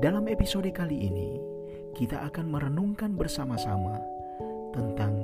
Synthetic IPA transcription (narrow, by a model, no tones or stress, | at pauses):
dalamepisodəkaliʔːnḭ | kit̪aʔakanməɾənuŋkanbərsamasa̰ma | t̪ənt̪aŋ